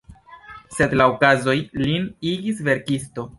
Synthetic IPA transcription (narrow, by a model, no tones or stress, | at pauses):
se̞dlaokazo̞jliniɡisve̞ɾkisto̞